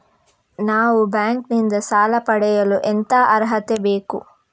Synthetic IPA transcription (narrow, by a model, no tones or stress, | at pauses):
naːʋubjaːŋknind̪ɐsaːlɐpɐɽɛjɐluʔent̪aːʔɐɾɦɐt̪ebeːkṵ